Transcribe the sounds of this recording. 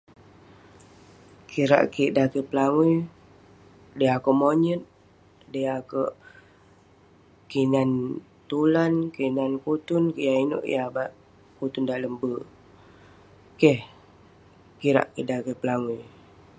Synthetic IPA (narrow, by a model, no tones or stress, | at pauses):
kiɾa̰ʔkiʔdakəpəlawi | dəakoʔmoɲət̪̚ | dəjakəʔ | kinan | t̪ulankinankut̪ʊnkəjaino̰ʔjabaʔ | kut̪ʊndaʔləmbə | kəh | kiɾa̰ʔkiʔdakəpəlawu